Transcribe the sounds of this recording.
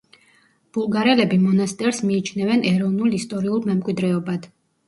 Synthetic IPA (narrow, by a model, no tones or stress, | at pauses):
b̥ulˠɡaɾɛlɛbimɔnast̪ʼɛɾsmiːt͡ʃʰnɛvɛnʔɛɾɔvnulˠist̪ʼɔɾiulˠmɛmkʼwid̪ɾɛɔbad̪̥